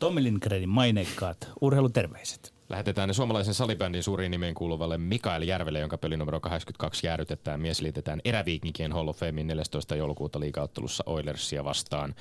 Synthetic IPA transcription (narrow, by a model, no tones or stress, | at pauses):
t̪omːilinkrenimɑineikːɑːt̪urheilut̪erʋeise̥t̪ | ʔæ̰het̪et̪æːnesuɑmɑlɑijs̬ensɑlibændinsuːɾiːnːimeŋkuːluʋɑlːemmikɑiljærʋelːejo̞ŋkɑpølinumeɾokɑɦekskynt̪kɑksjæːɾyt̪et̪ˑæːmmieselit̪et̪æːnʔeɾæʋiːkik̟eːnholːofeminne̞ljæst̪ojst̪ɑjoulukuːt̪ɑliːkɑot̪ːelṵsːɑʔo̞jlersːiæʋɑst̪ɑːn